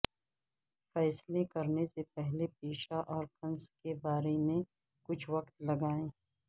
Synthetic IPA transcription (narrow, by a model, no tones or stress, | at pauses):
fɛːslekɐɾnesepɛɦlepiːʃaʔɔːɾkɐnskebaːɾemẽ | kʊt͡ʃʰwɐkt̪lɐɡaːẽː